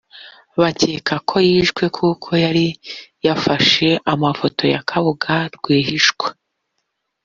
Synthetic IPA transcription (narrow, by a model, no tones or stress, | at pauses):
βaceːkʰakʰo̞jiːʃɡwe̞kʰuːkʰo̞jaɾijafaʃe̞ʔamafo̞to̞ja̰kʰaβuɡaɾɡwiːɦiʃkwe